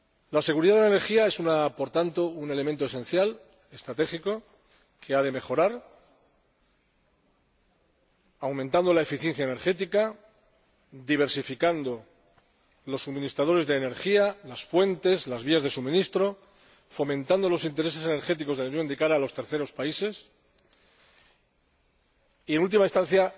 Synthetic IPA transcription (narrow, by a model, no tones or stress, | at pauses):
lase̞ɣuɾiðaðeaene̞ɾxiae̞sunapo̞ɾt̪ant̪o̞une̞lement̪oe̞se̞n̟θjal | e̞st̪ɾat̪e̞xiko̞ | kʰe̞aðeme̞xo̞ɾaɾ | awmẽnt̪and̪o̞lae̞fiθje̞n̟θjaene̞ɾxe̞t̪ika | d̪iβ̞e̞ɾsifikand̪o̞ | lo̞sːumĩnist̪ɾað̞o̞ɾe̞zðeːne̞ɾxialasfwe̞nt̪e̞zlazβiazðe̞sumĩnist̪ɾo̞ | fo̞mẽnt̪and̪o̞lo̞sint̪e̞ɾese̞se̞ne̞ɾxe̞t̪iko̞zðelaunɲjõ̞nd̪ikaɾaːlo̞st̪e̞ɾθe̞ɾo̞spaise̞s | ie̞nult̪̬imaist̪ãn̟θja